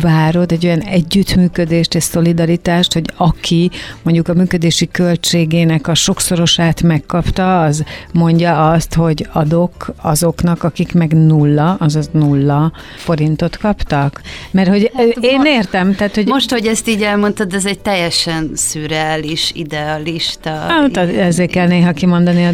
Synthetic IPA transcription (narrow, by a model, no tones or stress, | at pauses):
vaːɾo̞d̪ɛɟːo̞jɒnɛɟːyt̪myːkød̪eːʃt̪ɛso̞lid̪ɒɾit̪aːʃt̪ho̞ɟɒkʰimo̞ɲɟukɒmyːkød̪eːʃikø̞lt͡ʃeːɡeːnɛkɒʃo̞kso̞ɾo̞ʃaːt̪mɛkːɒpt̪ɒːzmo̞ɲɟɒɒst̪ho̞ɟɒd̪o̞kɒzo̞knɒkɒkikmɛɡnulːɒɒzɒnulːɒ | fo̞ɾint̪o̞t̪kɒpt̪ɒkmɛrho̞ɟeːneːrt̪ɛmt̪aːt̪ho̞ɟmoʃt̪hoɟɛst̪iːɟɛlmo̞nt̪od̪ɛzɛɟ̚t̪ɛjɛʃɛnsyːɾaːliʃḭd̪ɛɒliʃt̪ɒt̪ɒɛzeːkɛlneːɦɒkimo̞nd̪ɒniɒ